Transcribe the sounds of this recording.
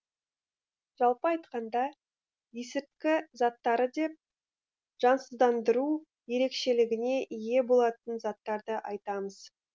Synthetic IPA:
ʒ̥ɑlˠpəɑjt̪qɑnd̪ɑ | je̞sɪɾkʲɪzɑt̪ːɑɾəd̪e̞p̚ | ʒ̥ɑnsəzd̪ɑnd̪əɾu | je̞ɾe̞kʃe̞lɪɡʲɪne̞ʔije̞bo̞lˠɑt̪ənzɑt̪ːɑɾd̪əʔɑjt̪ɑməz̥

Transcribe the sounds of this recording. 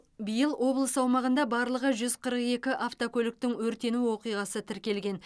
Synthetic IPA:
bijəlˠwʔo̞blˠəsɑwmɑʁənd̪ɑbɑɾlˠəʁəʒʏzqʰəɾəqe̞kʲɪʔaft̪okʲʰɵlɪk̚t̪ɪŋwɵɾt̪e̞nuwo̞qijʁɑsət̪ʰɪɾkʲe̞lɡʲe̞n

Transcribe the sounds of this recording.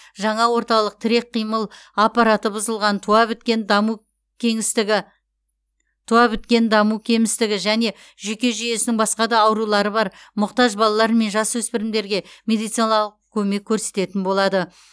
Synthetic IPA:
ʒɑɴɑwo̞ɾt̪ɑlˠəq̚t̪ʰɪɾe̞k̚qʰːijməlˠapɑɾat̪əbʊzəlˠʁɑnt̪ʰuɑbt̪kʲenu | kʲŋɪ | t̪ʰuɑbɪt̪kʲe̞nd̪ɑmukʲʰe̞mɪst̪ɪɡʲɪʒæne̞ | ʒɵkʲe̞ʒʏje̞sɪnɪŋbɑsqɑd̪ɑːwɾulˠɑɾəbɑɾmʊqt̪ɑʒbɑlˠɑlˠɑɾəme̞nʒɑswɵspɪɾɪmd̪e̞ɾɡʲe̞mʲe̞d̪ijt̪sɨjnɑɑlˠəqkʲʰɵme̞kʲʰːɵɾse̞t̪e̞t̪ɪnbo̞lˠɑd̪ə

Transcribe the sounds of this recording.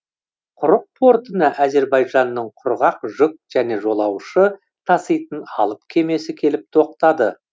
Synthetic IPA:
qʰʊɾəq̚t̪ʰo̞ɾt̪ənəʔæze̞ɾbɑjʒɑnːəɴqʰʊɾʁɑqʒʊk̚ʒ̥æne̞ʒo̞lˠɑwʃə | t̪ʰɑsəjt̪ənɑ̰lˠəpkʲʰe̞me̞sɪkʲʰe̞lɪp̚t̪ʰo̞q̚t̪ɑd̪ə

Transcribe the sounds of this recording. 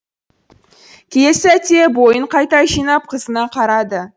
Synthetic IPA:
kʲʰejle̞sɪæt̪e̞bojəɴqʰɑjt̪ɑʒijnɑp̚qʰəzənɑqʰɑɾɑd̪ə

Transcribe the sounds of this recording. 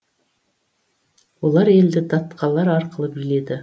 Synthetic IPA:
wo̞lˠɑɾe̞ld̪ɪd̪ɑt̪qʰɑlˠɑɾɑɾqəlˠəbile̞d̪ɪ

